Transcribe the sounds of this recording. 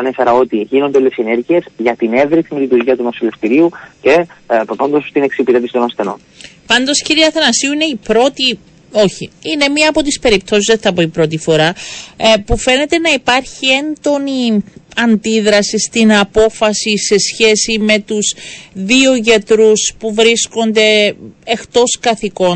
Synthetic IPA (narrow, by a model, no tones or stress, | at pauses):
ɐnefeɾɐo̞t̪iʝino̞nd̪eolesene̞ɾʝie̞zʝɐt̪ine̞vɾiimilit̪uɾʝiɐt̪umosileft̪iɾiuce̞pɾopɐnd̪ost̪ine̞ksipiðepisit̪onɐst̪e̞no̞̰n | pɐnd̪o̞sciɾiɐθɐnɐsiuine̞ipɾo̞t̪i | o̞çiine̞miɐːpo̞t̪ispe̞ɾip̚t̪o̞sizðeθɐpoipɾo̞t̪̬ifo̞ɾɐ | pufe̞ne̞t̪e̞nɐipɐɾçie̞nd̪o̞niɐnd̪iðɾɐsist̪inɐpo̞fɐsise̞sçe̞sime̞t̪uzðio̞ʝɐt̪ɾuspuvɾisko̞nd̪e̞ext̪o̞skɐθiko̞n